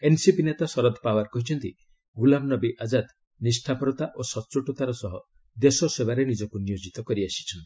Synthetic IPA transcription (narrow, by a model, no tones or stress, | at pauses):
ensipinet̪asɔɾɔd̪pabaɾkɔɦit͡ʃʰɔnt̪i | ɡulamnɔbiʔad͡ʒad̪ | nisʈʰapɔɾɔt̪aʔosɔt͡ʃuʈɔt̪aɾɔsɔɦɔ | d̪esɔsebaɾenid͡ʒɔkunijod͡ʒit̪ɔkɔɾiasi̥t͡ʃʰɔnt̪i̥